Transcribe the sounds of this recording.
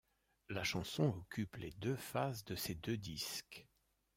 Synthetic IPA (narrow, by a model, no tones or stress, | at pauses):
laʃɑ̃sɔ̃ɔkʲypled̪øfazd̪əsed̪ød̪isk